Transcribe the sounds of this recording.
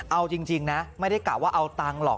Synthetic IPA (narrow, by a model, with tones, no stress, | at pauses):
ʔa˧wt͡ɕi˧ŋt͡ɕi˧ŋna˦˥ma˥˩jda˥˩jklaː˨˩waː˥˩ʔa˧wt̪aː˧ŋlɔ̰˨˩